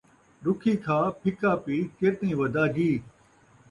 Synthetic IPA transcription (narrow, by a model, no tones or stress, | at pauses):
ɗʊkʰiːkʰãːpʰɪkaːpiːkeɾt̪ĩːʋɐd̪ʱaːɡiː